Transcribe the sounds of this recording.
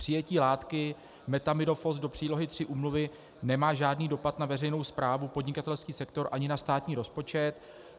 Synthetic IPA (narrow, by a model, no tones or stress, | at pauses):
pr̝̥ɪjɛciːlaːt̪kɪ | mɛt̪amɪno̞fo̞sdo̞pr̝̥iːlo̞ɦɪt̪r̥ɪʔuːmluvɪ | nɛmaːʒaːdniːdo̞pat̪navɛrɛjno̞wspɾaːvupo̞dɲɪkat̪ɛlskiːsɛkt̪o̞ɾʔaɲɪnast̪aːt̪ɲiːɾo̞spo̞t͡ʃɛt̪